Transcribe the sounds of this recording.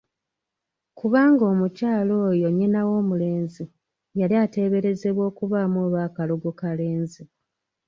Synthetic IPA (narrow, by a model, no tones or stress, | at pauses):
kuβaːŋɡo̞ːmucaːlo̞ːjo̞ɲenawo̞ːmule̞ːnzi | jaliate̞βe̞ɾe̞ze̞βwo̞ːkuβaːmoːβaːkalo̞ɡukale̞ːnzi